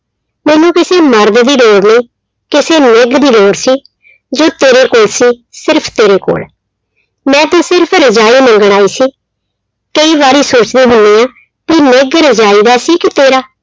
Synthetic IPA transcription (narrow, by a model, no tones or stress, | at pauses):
mɛ̃ːnũːkɪseːməɾd̪d̪iːloːɽnəĩː | kɪseːnɪɡd̪iːloːɾsiː | d͡ʒoːt̪eːɾeːkoːlsiːsɪɾpʰt̪eːɾeːko̰ːl | mɛ̃ːt̪ãːsɪɾpʰɾəd͡ʒaːiːnə̃ŋɡəɽ̃aːiːsiː | kəiːbaːɾiːsoːt͡ʃd̪iːɦoːniːãː | piːnɪɡɾəd͡ʒaːiːd̪aːsiːkɪt̪eːɾaː